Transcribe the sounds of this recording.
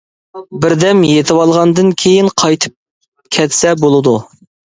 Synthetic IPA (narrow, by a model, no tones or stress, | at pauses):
bɪɾd̪ɛmjet̪ʰɨwɑlˠʁɑnd̪ɨnkʲʰejinqʰɑjt̪ʰɨ̥p̚ | kʲʰɛt̪sɛbolˠɨd̪u